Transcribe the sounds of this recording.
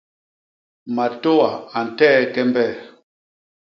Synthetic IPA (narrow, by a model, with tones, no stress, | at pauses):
ma˨to˦wa˨a˨n̩˨tɛ˦kɛ˦mbɛ˦˨